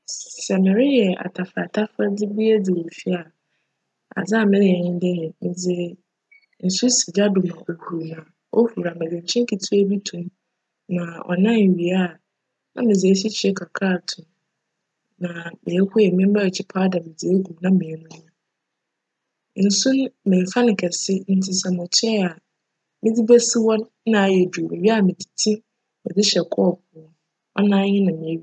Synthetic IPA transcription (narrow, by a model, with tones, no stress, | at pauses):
sɛ˨mɪ̃˨ɾɪ˦jɛ˨a̰˨tʰa˨fa˨tʰa˦fɾa˦dɪ˦bi˦ɛ˦d͡zɪ˨wo˨fi˦a˨ | a̰˨d͡za˦˨mɪ̃˦nɪ̃˦˨ɛ˨nɪ̃˦dɛ˦jɛ˨mɪ̃˨d͡zɪ˨ | n̩˨su˦si˨d͡ʑa˦dʊ˨mã˨ʔo˨hu˨ɾmã˨ | o˦hu˨ɾa˨mɪ̃˨d͡zɪ̃˨ɲ˨t͡ɕʰɪ̃˦kʰi˨tʰu˦e˦bi˦tʰũ˨m | nã˨ɔ̰˨nã˦n˨ɥi˨a˦˨ | nã̰˦mɪ̃˨d͡zɪ˨e˦ɕi˦t͡ɕʰi˨ɛ˦kʰa˨kʰa˦˨tʰʊ̃˨ | nã˨mɪ̃˨ɛ˦kʊ˦jɛ˨mɪ̃˦m˦ba˦ɛ˨t͡ɕʰɪ˨˦pʰa˦da˨mɪ̃˨d͡zi˨e˦ɡũ˨mnã˦mɪ̃˨ɛ˦nʊ̃˦ã˦ | n̩˨sũ˦n˦mɪ̃˨fa˦nɪ̃˨kʰɛ˨sɪ˦n̩˦tʰɪ˨sɛ˨mʊ̃˨t͡ɕʰᶣɛ˦a˨ | mɪ̃˦di˦bɛ˦sɪ˦wɔ˦nː | ã˨jɛ˨du˨mɪ˨ɥi˦a˨mɪ̃˨dʰi̥˨tʰĩ˦ | mɛ̰̃˨dɪ˦ɕɛ˨kʰɔ˦˨p̚ʰʊ˨ɔ˨ | ʔɔ̰˦nã˦ɲɪ̃˦nã˨mɪ̃˨ɛ˦ɥi˦